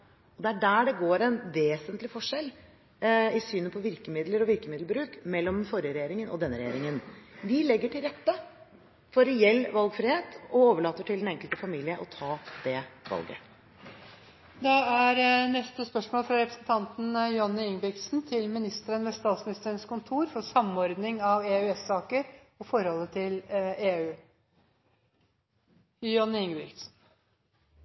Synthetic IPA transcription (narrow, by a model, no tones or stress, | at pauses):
ɔd̪ɛæɖæːɖɛɡoːɾɛnʋeːsənt̪lɪfɔʂɛl | ɪsyːnəpʰɔʋɪɾkəmɪd̪ləɾɔʋɪɾkəmɪd̪lbɾʉːkmɛlːɔmnfɔɾɪəɾɛjeːɾɪŋənɔ̰d̪ɛnːəɾɛjḛːɾɪŋənʋɪlɛɡːəʈʰɪlɾɛt̪ːə | fɔɾɛjɛlːʋɑlɡfɾɪheːt̪ɔoːʋəɭɑːt̪ːəʈʰɪld̪ɛnɛŋkəlt̪əfɑmiːlɪəʔɔt̪ʰɑːd̪̥ɛʋɑ̰lɡə̰ | d̪ɑæɾnɛst̪əspœʂmoːlfɾɑɾɛpɾəsən̩t̪ʰɑnt̪n̩jʊɑnːəɪŋbɾɪk̪snt̪ʰɪlmɪnɪst̪əɾənʋɛst̪ɑːt̪smɪnɪst̪əɾənskʊnt̪ʰuːɾfɔʂɑmːɔɾd̪nɪŋɑʋeːʉɛsɑːkəɾ | ɔfɔɾhɔlːət̪ʰɪleːʉː | jɑnːəɪŋbɾɪ̰ksn̩